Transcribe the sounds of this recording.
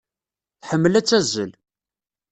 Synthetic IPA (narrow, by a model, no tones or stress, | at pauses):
θħəmːəlæt͡sːæzːə̰l